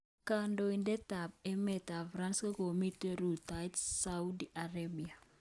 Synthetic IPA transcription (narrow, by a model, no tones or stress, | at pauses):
kandoindɛtab̚ɛmɛtafɾanskakomiteɾutajtsaudiʔaɾabia